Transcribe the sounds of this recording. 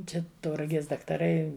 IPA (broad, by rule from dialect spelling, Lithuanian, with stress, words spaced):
ˈt͡ʃʲɛ tɐʊrɐˈɡʲeːs dɐktɐˈrɐɪ